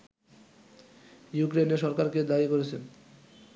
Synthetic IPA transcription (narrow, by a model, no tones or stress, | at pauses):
jukɾeneʃɔɾkaɾked̪aikoɾet͡ɕʰen